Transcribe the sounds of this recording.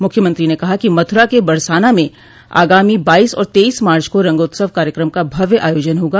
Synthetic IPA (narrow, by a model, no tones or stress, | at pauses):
mʊkʰjəmə̃nt̪ɾinekɐɦakimɐt̪ʰʊɾakebɐɾsaːnamẽ | a̰ːɡaːmibaːiːsɔ̰ːɾt̪eːiːsmaːɾt͡ʃkoɾɐ̃ŋɡoːt̪səʋkaːɾjəkɾəmkabʱɐʋjəʔaːjoːd͡ʒənɦoːɡaː